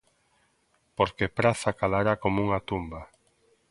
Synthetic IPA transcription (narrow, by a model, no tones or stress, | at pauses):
poɾkepɾaθakalaɾakomuŋat̪umba